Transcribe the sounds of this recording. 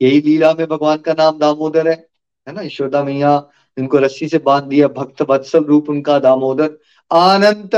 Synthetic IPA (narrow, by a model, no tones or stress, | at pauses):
jɐɦiliːlamẽbʱɐɡʋaːnkanaːmd̪aːmoːd̪əɾɦɛː | ɦɛːnaɪʃoːd̪aːmĩjãː | ɪnkoɾɐsisebãːnd̪d̪ijabʱɐk̚t̪ʋɐd̪səlɾuːpʊnkad̪aːmoːd̪əɾ | aːnə̃nt̪